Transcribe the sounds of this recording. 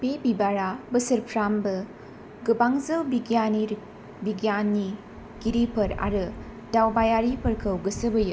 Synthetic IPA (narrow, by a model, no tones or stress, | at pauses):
bebibaɾabɐsɐɾpʰɾambɐ | ɡɯbaŋzɐwbiɡjaniɾ | biɡjanːi | ɡiɾipʰɐɾa̰ɾɯ | dawbajaɾipʰɐɾkʰɐwɡɐsɐbɐjɯ